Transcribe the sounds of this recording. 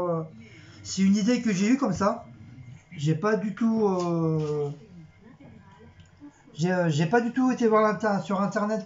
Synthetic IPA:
ø | siynid̪ekəʒeykɔmsa | ʒepad̪yt̪uø | ʒeøʒepad̪yt̪uet̪evwaʁlɛ̃t̪ɛsyʁɛ̃t̪ɛʁnɛt̪

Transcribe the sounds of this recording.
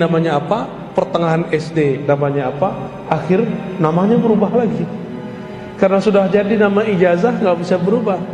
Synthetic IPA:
namaɲaːpa | pərt̪əŋaɦanɛsdenamaɲaːpaː | xɪrnamaɲabəɾubaɦlaɡi | kaɾənasudahd͡ʒadinamaid͡ʒazahŋɡaʔbisabəɾubah

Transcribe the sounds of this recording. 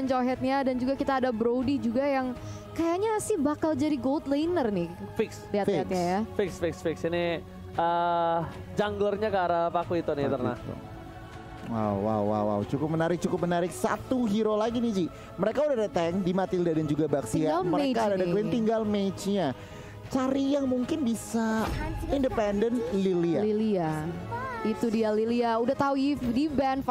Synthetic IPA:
nt͡ʃoɦɛt̪̚ɲadand͡ʒuɡakit̪aːdabɾowdid͡ʒuɡajaŋ | kajaɲasɪhbakald͡ʒaɾiɡolt̪leinərnɪfɪksliatat̪̚ɲajafɪksfɪksfɪksini | ə | d͡ʒaŋɡlərɲakaɾapakuit̪unit̪ərna̰t̪ | wa̰wːa̰wːa̰wa̰wt͡ʃukʊp̚mənaɾɪk̚t͡ʃukʊp̚mənaɾɪk̚sa̰t̪uɦiɾolaɡinid͡ʒi | məɾekaudadet̪ɛŋdimat̪ɪldadand͡ʒuɡabaksialməɾekadadaklɪnt̪iŋɡalmet͡ʃɲa | t͡ʃaɾijaŋmuŋkɪnbisaindəpɛndənt̪lilialilia | it̪udialiliaudaht̪auifdibɛnf

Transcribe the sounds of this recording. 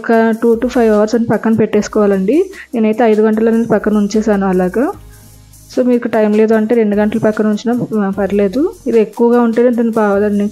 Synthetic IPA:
kɐʈuːʈuːpʰɐjʋɐʋɐɾsɐnːipɐkːɐnɐpe̞ʈːeːskɔːʋaːlɐɳɖineːnɐjt̪e̞ːɐjd̪uɡɐɳʈɐloːnind͡ʒipɐkːɐnuɲt͡ʃeːsaːnuɐlaːɡɐ | so̞ːmiːɾikːɐɐʈɐjmle̞ːd̪uɐɳʈeːɾe̞ɳɖuɡɐɳʈɐlupɐkːɐnuɲt͡ʃinaːpɐɾile̞ːd̪uid̪ie̞kːuʋɐɡaːuɳʈeːneɐd̪ɐnːipɐd̪ɐnnuɲ

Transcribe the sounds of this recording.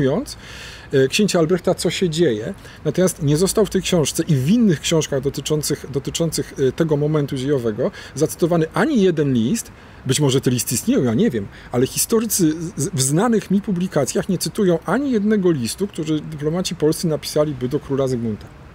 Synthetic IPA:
jɔnt̪s | kɕeɲt͡ɕaalbɾɛxt̪at̪sɔɕɛd͡ʑejɛ | nat̪ɔmʲjast̪ɲɛzɔst̪awft̪ɛjkɕɔ̃w̃ʂt̪sɛʔivinːɘxkɕɔ̃w̃ʂkaɣd̪ɔt̪ɘt͡ʂɔnt̪sɘxd̪ɔt̪ɘt͡ʂɔnt̪sɘxt̪ɛɡɔmɔmɛnt̪ud͡ʑejɔvɛɡɔzat̪sɘ̥t̪ɔvanɘʔaɲijɛd̪ɛnlʲist̪ | bɘt͡ɕmɔʐɛt̪ɛlʲist̪ist̪ɲʲejɔ̃w̃jaɲɛvʲjɛm | ʔalɛxʲist̪ɔɾɘt̪sɘvznanɘxmʲipublʲikat̪sʲjaxɲɛt̪sɘt̪ujɔ̃w̃ʔaɲijɛd̪̚nɛɡɔlʲist̪ukt̪uʐɘd̪ɘplɔmat͡ɕipɔlst̪sɘnapʲi̥salʲibɘd̪ɔkɾulazɘɡmunt̪a

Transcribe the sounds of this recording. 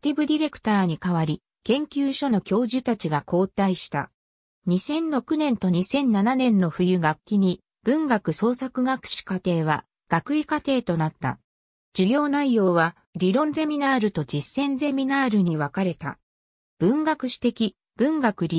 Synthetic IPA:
t̪ʲibɯ̟d̪ʲiɾe̞kɯ̟̥t̪aːɲ̟ikaβaɾʲi | kẽ̞ŋkʲɨːɕo̞no̞kʲo̞ːʑɨt̪at͡ɕiɡakʰo̞ːt̪aiɕi̥t̪a̰ | ɲ̟isẽ̞nɾo̞kɯ̟nẽ̞nt̪o̞ɲ̟isẽ̞nːananẽ̞nːo̞ɸɯ̟jɯ̟ɡakʲːiɲ̟i | b̥ɯ̟̃ŋɡakɯ̟so̞ːsakɯ̟ɡakɯ̟̥ɕi̥kat̪e̞ːβ̞a̰ | ɡ̥akɯ̟ikat̪e̞ːt̪o̞nat̪ːa̰ | d͡ʑɨɡʲo̞ːnaijo̞ːβa | ɾʲiɾõ̞nze̞mʲinaːɾɯ̟t̪o̞d͡ʑisːẽ̞nze̞mʲinaːɾɯ̟ɲ̟iβakaɾe̞t̪a̰ | b̥ɯ̟̃ŋɡakɯ̟ɕi̥t̪e̞kʲi | b̥ɯ̟̃ŋɡakɯ̟ɾʲi

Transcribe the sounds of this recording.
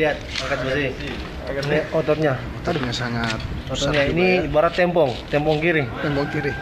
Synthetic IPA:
liat̪̚aŋkat̪̚basi | niɔt̪ɔt̪̚ɲa | ɔɔt̪ɲasaŋat̪̚ɔt̪ɔt̪ɲainibaɾat̪ːɛmpɔŋt̪ɛmpɔŋkiɾɪt̪ɛmpɔŋkiɾɪ

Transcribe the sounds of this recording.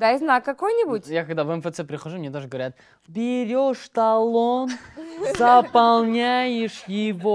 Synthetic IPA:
d̪aɪznakːɐkojnʲɪbʊtʲjakɐɡd̪avɛmfɛt̪sɛpɾʲɪxɐʐumnʲet̪oʐəɡəvɐɾʲat̪̚ | bʲɪɾʲoʂt̪ɐlˠonzɐpɐlˠnʲajɪʂjɪvo

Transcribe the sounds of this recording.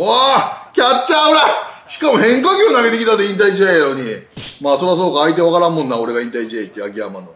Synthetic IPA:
akʲat͡ɕt͡ɕːaɯɾaɕi̥kamo̞hẽ̞ŋkaɡʲionaɡe̞t̪e̞kʲit̪at̪oĩnt̪̬aid͡ʑiejaɾoɲ̟imaːso̞ɾas̬o̞ːkaːit̪̬eβakaɾãmːõ̞nːao̞ɾe̞ɡaĩnt̪aid͡ʑieit̪ʲːiakʲia̰mano

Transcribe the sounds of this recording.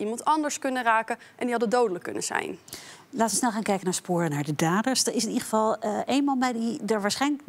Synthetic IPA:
ʔimɑntɑndəɹskɵnəraːkəʔɛndiɦɑdədowdələkːɵ̰nə̰nz̥ɛ̰jnlaːtəʋəsnɛlˠχaːnkɛjkənaːɹspʊːrənaːɹdədaːdəɹsdəɹɪsɪnidəχəvɑlˠʔejnmɑnbɛjdidəɹʋaːɹsχɛjnlək

